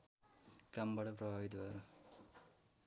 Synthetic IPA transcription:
kambaʈʌpɾʌbʱabit̪baɾu

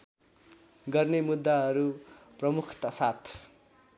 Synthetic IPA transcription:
ɡʌrnemud̪ːaɦʌɾuprʌmukʰt̪asat̪ʰ

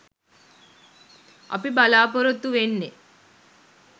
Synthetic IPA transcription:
ʔɐ̰pibalaːpoɾot̪ːuʋenːe

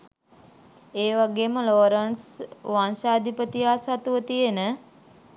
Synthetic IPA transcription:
eːʋaɡeːməloɾaɳsʋansaːd̪ʱipət̪ijaːsat̪uʋət̪ijenə

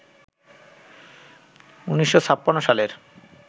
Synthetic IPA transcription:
uniʃːot͡ɕʰapːanːoʃaleɾ

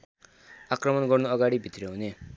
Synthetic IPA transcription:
akrʌmʌnɡʌrnuʌɡaɽibʱit̪ɾeɦune

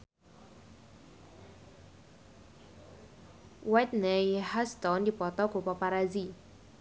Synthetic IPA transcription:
wɛtnɛhast̪ɔndipɔt̪ɔkopɔpaɾazi

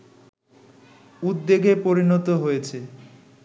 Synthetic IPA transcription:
ud̪ːeɡʱepoɾinɔt̪oɦojet͡ɕʰe

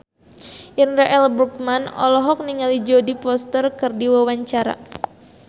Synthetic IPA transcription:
ʔinraʔɛlbɾuk̚manɔ̰lɔɦɔk̚niŋalid͡ʒodipɔst̪ərkɨrdiwawaɲt͡ʃaɾa̰

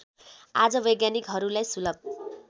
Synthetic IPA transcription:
a̰d͡zʌbʌjɡjanikɦʌɾulajsulʌb̚

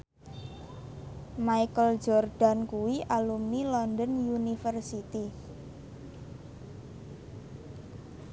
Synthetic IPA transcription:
maikəl̥d͡ʒɔrd̥a̤nkuwiʔalumnilɔnd̪ənjunifərsit̪i

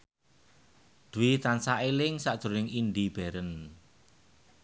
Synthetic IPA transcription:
d̪̥uwit̪ansaʔelɪŋsaʔd̥ʒ̥o̤nɪŋind̪ib̥ɛ̤ɾən

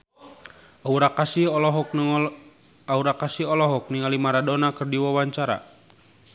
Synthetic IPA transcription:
ʔauɾakasihɔlɔɦɔk̚ | auɾakasiɦɔlɔɦɔk̚niŋalimaɾadɔnakɨrdiwawaɲt͡ʃaɾa̰

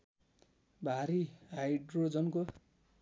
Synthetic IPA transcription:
bʱaɾiajɖrod͡zʌnko

